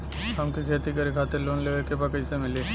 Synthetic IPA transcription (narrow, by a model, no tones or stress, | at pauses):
ɦɐmkikʰeːt̪ikɐɾikʰaːt̪ɪɾloːnleːʋəlkebɐkəisemɪle